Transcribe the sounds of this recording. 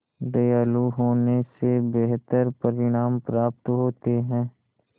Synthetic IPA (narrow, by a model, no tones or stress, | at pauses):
ɖɐjaːluɦoːnesebeɦt̪əɾpɐɾɪɽ̃aːmpɾaːp̚t̪ɦoːt̪eɦɛ̃ː